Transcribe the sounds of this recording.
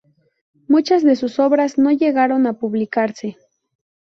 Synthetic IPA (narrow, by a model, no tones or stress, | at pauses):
mut͡ʃazd̪e̞susoβɾasno̞jeɣaɾonapuβlikaɾse